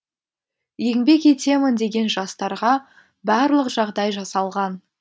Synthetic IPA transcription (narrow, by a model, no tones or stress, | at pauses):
je̞ŋbe̞kʲet̪e̞mɪnd̪e̞ɡʲe̞nʒɑst̪ɑɾʁɑ | bɑɾlˠəqʒ̥ɑʁd̪ɑjʒɑsɑlˠʁɑn